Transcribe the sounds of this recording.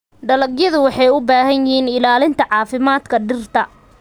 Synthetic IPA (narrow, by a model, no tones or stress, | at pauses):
ɖɐlɐɡjɐðʊwɑħɑjʊbaːɦɐnjɪhiːnɪlaːlɪnt̪ʰɐʕɑːfɪmaːd̪kʰɐɖɪrt̪ʰɐ